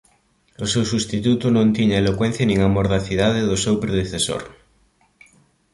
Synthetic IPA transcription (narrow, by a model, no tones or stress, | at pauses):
ʊsewsust̪it̪ut̪ʊnõnt̪iɲɐelokwɛn̟θjɐnĩŋamoɾðɐθiðaðɪðʊsewpɾeðeθeso̰ɾ